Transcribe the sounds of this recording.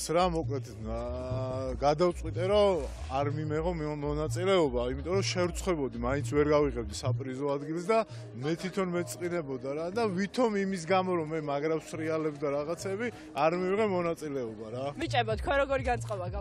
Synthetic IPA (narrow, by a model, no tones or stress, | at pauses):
sɾamɔkʼlɛt̪ʰ | ɡad̪awt̪sʼqʼwit̪ʼɛɾɔ | aɾmimɛʁɔmmɔnat̪sʼilɛɔbaimit̪ʼɔɾɔʃɛɾt̪sʰʼχwɛbɔd̪imaint̪sʰvɛɾɡaviʁɛb̚d̪isapʼɾizɔad̪ɡils̬d̪a | mɛt̪ʰit̪ʰɔnmɛt̪sʼqʼinɛbɔd̪aɾad̪avit̪ʰɔmimis̬ɡamɔɾɔmɛmaɡɾapsɾialɛbd̪aɾaʁat̪sʰɛːbi | aɾmiviʁɛmɔnat̪sʼilɛɔbaɾamit͡ʃʼɛbat̪̚ʰkʰwɛɾɔɡɔɾiɡant̪sʼqʼɔbaɡa